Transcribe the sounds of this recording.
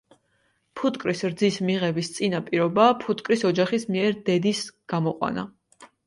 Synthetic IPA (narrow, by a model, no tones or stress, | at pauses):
pʰut̪ʼkʼɾisɾd̪zismiʁɛbist̪sʼinapʼiɾɔbapʰut̪ʼkʼɾisɔd͡ʒaχismiɛɾd̪ɛd̪isɡ̥amɔqʼwa̰na̰